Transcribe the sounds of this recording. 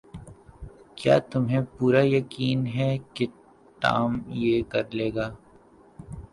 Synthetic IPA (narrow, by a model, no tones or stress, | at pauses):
kja̰ːt̪ʊmɦẽpuːɾajɐkiːnɦɛke | ʈ̪a̰ːmjekɐɾleːɡaː